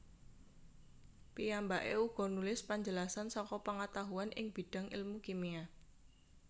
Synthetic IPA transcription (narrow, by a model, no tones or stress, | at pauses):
pijambaʔeuɡ̥ɔ̤nulɪspaɲd͡ʒəlasansɔkɔpəŋat̪aɦuanʔɪ̰ŋb̥i̤ɖ̥ä̤ŋḭlmukimia